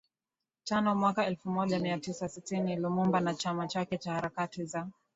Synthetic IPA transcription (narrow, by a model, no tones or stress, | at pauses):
tanɔmwakaɛlfumɔʄamiatisasitinilumumbanat͡ʃamat͡ʃakɛt͡ʃahaɾakatiza